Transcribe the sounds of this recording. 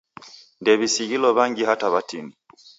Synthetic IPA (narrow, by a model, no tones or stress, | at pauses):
ndɛβisiɣilɔβaŋɡihataβatini